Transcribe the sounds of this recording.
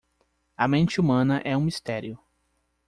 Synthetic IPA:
ɐmẽnt͡ʃɪumɐ̃nɐʔɛũmist̪ɛɾiʊ

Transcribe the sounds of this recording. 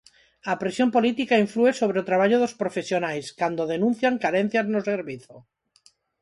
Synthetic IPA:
apɾesjo̞mpo̞lit̪ikaiɱflue̞soβ̞ɾeot̪ɾaβaʎoð̞ospɾofe̞sjonajskand̪oðe̞nũn̟θjaŋkaɾen̟θjaznoseɾβiθo

